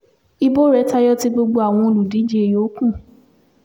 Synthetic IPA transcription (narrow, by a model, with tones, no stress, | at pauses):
i˧bo˦ɾɛ˨˦ta˧jɔ˦ti˧ɡ͡bo˧ɡ͡bo˧a˨w̃ɔ̃˧o˧lu˨di˨˦d͡ʒi˦e˨jo˨˦kũ˦˨